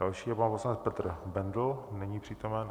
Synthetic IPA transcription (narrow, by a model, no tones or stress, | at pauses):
alʃiːjɛpanposlanɛt͡spɛt̪r̩bɛndl̩nɛɲiːpr̥iːt̪omɛn